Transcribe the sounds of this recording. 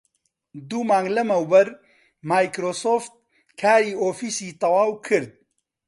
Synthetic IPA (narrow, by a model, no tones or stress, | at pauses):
d̪umaːŋɡlɐmɐwbɐɾ | maːjkɾoːsoːft̪̚ | kʰaːɾiːoːfiːsiːt̪ɐwaːwkʰɨɾd̪̚